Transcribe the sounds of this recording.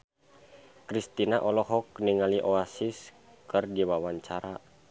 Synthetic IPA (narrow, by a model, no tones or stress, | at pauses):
kɾist̪inaʔɔlɔɦɔkniŋaliʔoasis | kɨrdiwawaɲt͡ʃaɾa